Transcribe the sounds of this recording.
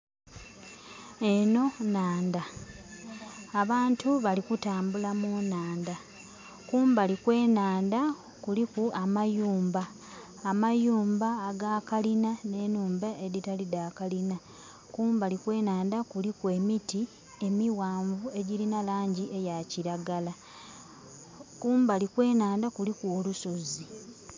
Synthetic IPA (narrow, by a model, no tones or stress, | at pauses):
e̞no̞naːnda | βaːntuβalikutaːmbulamunaːnda | kuːmbalikwe̞ːnaːnda | kulikuʔamajuːmbaː | majuːmbaːɡakalinane̞ːnuːmbaʔeɾitaliðaːkalina | kuːmbalikwe̞ːnaːndakulikwe̞miti | e̞miwaːɱvue̞ɟilinalaːɲɟiʔe̞jaciɾaɡala | kuːmbalikwe̞ːnaːndakulikulusozi